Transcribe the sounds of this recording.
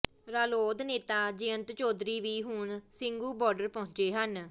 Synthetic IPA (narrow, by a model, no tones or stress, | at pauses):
ɾaːloːd̪neːt̪aːd͡ʒɪənt̪t͡ʃoːd̪ɾiːʋiːɦʊɳsɪŋɡuːbɔːɾɖəɾpəɦʊ̃ɲt͡ʃeːɦən